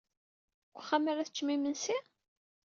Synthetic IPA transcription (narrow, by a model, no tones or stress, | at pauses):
ɡʷχːaməɾæθət͡ʃːmimənsi